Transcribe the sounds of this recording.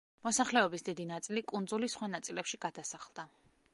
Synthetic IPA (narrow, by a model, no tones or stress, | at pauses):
mɔsaχlɛɔbisd̪id̪inat̪sʼilikʼund̪zulisχwanat̪sʼilɛpʃiɡad̪asaχlˠd̪a